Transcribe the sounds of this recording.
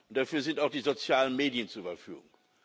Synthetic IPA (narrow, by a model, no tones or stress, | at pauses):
ʔʊnt̚d̥afyːɐzɪntaʊxd̥iːzot͡sjaːlənmeːdiənt͡suɐybɐfy̰ːɡʊ̰ŋ